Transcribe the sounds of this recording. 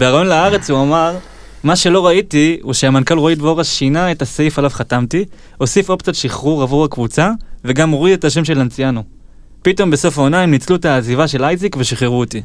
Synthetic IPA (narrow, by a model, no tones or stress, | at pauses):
beʁajo̞nleaʁe̞t͡shuamaʁ | maʃe̞lo̞ʁaitiuʃeamankalʁoidvoʁaʃinaetasefalavχatamti | o̞sifo̞pt͡satʃiχʁuʁavuʁakvut͡save̞ɡamoʁietaʃ̬e̞mʃe̞lant͡sijano | pito̞mbe̞so̞faonaimnit͡sluetaːzivaʃe̞lajzikveʃiχeʁuoti